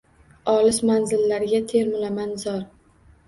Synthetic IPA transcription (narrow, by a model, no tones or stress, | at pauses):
ɒlɪsmanzɪlːaɾɪɡʲat̪ʰe̞ɾmʊlamanzɒɾ